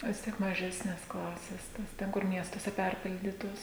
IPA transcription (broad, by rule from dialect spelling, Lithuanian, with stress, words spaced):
ʋʲɪs ˈtʲiɛk mɐˈʒʲæːsʲnʲeːs ˈklˠɑːsʲeːs ˈtɐs ˈtʲɛn kʊr ˈmʲiɛstuɔsʲɛ ˈpʲɛrʲpʲɪlʲdʲiːtoːs